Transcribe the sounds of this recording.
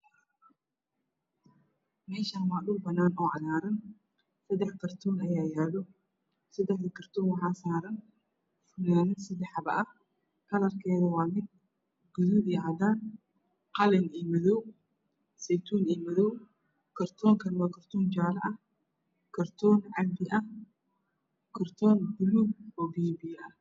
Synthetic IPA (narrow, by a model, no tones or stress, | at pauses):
mɛːʃaːnwaːɗʊlbɐnaːnɔːʕɑlaːɾɐn | sɐd̪ɛħkʰɐrt̪ʰɔːnɐjaːjaːðɔ | sɐd̪ɛħd̪ɐkʰɐrt̪ʰɔːnwɑħaːsaːɾɐn | fʊnaːnɪnsɐd̪ɛħɐβɐ̰ʔɐh | kʰɐlɐrkʰɛːðɔwaːnɪn | ɡ̥ʊðuiʕɑd̪aːn | qɑlɛniːmɐðɔw | sɛjt̪ʰuːniːmɐðɔw | kʰɐrt̪ʰɔːŋkʰɐnwɑːkʰɐrt̪ʰɔːnt͡ʃaːlɐʔɐh | kʰɐrt̪ʰɔnʕad̪ɪʔɐh | kʰɐrt̪ʰɔːnbʊlubɔːbiːbijɐ